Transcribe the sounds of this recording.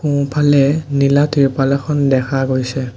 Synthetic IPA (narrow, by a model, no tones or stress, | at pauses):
kũpʰalɛnilatiɹpalɔxʰɔndɛkʰaɡojsɛ